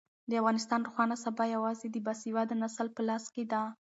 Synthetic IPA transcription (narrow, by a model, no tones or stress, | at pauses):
d̪əafɣɑnɪst̪ɑnɾuxwɑnasabajawɑzed̪əbasiwad̪ənasəlpəlɑsked̪a